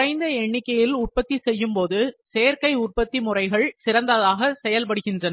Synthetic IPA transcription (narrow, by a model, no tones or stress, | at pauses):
rɐɪnd̪ɐɛɳːɪkːɐjɪlʊr̚pɐt̪ːisɛjːɯmpoːðɯseːɾkɐɪʊrpɐt̪ːimʊrɐɪɣɐɭsɪɾɐnd̪ɐðaːɣɐsɛjɐlp̬ɐɽɯɣɪndrɐnɐ